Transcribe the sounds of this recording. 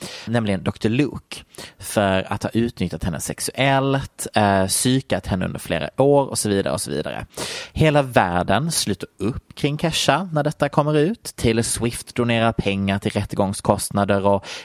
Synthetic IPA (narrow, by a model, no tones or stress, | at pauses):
nɛmlɪɡənd̪ɔkt̪ʰəɭɵ̰ːkfœɾa̰t̪hɑ̰ːʔʉ̟ːt̪nʏt̪ʰʲːat̪hɛnːə̰sɛksɵʔɛlt̪syːkat̪hɛnːəɵ̰nd̪əɾflḛːɾa̰ʔoːɾɔ̰sɔviːd̪a̰ɾə̰ɔsɔvḭːd̪a̰ɾə̰heːlavæːɖənslʉ̟ːt̪aɾɵpːkʰɾɪŋːkʰɛʂːanæɖɛt̪ːakʰɔmːəɾʉ̟ːt̪ʰːɪlːswɪft̪d̪ʊneːɾapʰɛŋːaɾʈʰɪlɾɛt̪ːəɡɔŋskʰɔst̪nad̪əɾɔ